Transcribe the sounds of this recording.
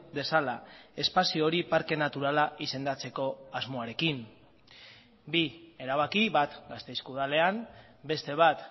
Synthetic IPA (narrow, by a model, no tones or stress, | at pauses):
d̪e̞salae̞spasio̞ɾipaɾke̞nat̪uɾalaʔise̞nd̪at͡se̞ko̞azmo̞aɾe̞kim | bie̞ɾaβ̞akiβat̪ɡast̪e̞jskuðale̞am | be̞st̪e̞β̞at̪